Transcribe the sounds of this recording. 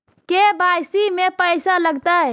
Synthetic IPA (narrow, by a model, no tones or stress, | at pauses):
kebajsimepəjsaləɡt̪əj